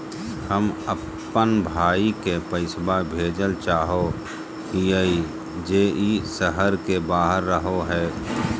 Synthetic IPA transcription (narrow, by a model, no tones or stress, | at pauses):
həməpː | ənbʱaːikepəɪsbabʱeːd͡ʒəlt͡ʃaːɦo | iəi | d͡ʒeːʔisəɦəɾkebaːɦəɾːəɦoɦɛː